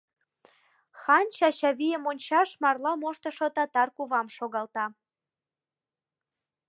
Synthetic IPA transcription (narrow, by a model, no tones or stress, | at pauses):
xɑnʲt͡ɕɑɕɑβijəmonʲt͡ɕɑʃmɑrlɑmoʃt̪ə̆ʃot̪ɑt̪ɑrkuβɑmʃoɣɑlt̪ɑ